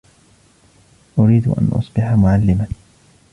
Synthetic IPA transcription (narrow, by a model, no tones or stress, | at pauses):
ʔʊɾiːd̪̰ʔa̰nʔʊ̰sˤbɪħamʊʕalːɪman